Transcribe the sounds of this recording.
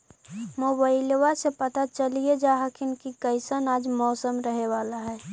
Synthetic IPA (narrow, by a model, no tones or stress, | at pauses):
moːbaɪlwasepət̪at͡ʃəlied͡ʒaːɦəkɪnkikəɪsənaːd͡ʒmɔːsəmɾəɦeʋaːlaɦɛː